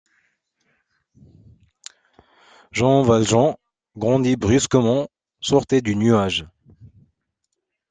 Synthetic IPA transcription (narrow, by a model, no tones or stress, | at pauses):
ʒɑ̃valʒɑ̃ | ɡʁɑ̃d̪ibʁyskəmɑ̃ | sɔʁt̪ed̪ynyaʒ